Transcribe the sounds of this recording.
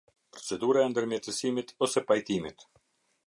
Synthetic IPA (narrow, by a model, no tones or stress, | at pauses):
pɾɔt͡sɛd̪uɾaɛnd̪əɾmjɛt̪əsimit̪ɔsɛpajt̪imit̪